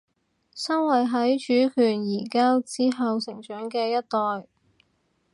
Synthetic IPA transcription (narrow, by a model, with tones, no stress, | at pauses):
sɐ˥nwɐ˨jɦɐ˨˥jt͡ʃyː˨˥kʰyː˨˩njiː˨˩kaː˥wt͡siː˥ɦɐ˨˧wsɪ˨˩ŋt͡ʃœː˨˥ŋkɛː˧jɐ˥t̚t̪ɔː˨j